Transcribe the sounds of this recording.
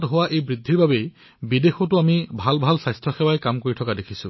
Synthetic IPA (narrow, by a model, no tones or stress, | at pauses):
tɦowaʔejbɹid̪ʱːiɹbabej | bidexɔtuamibʱalbʱalsajstʰɔxewajkamkoɹitʰɔkadekʰisṵ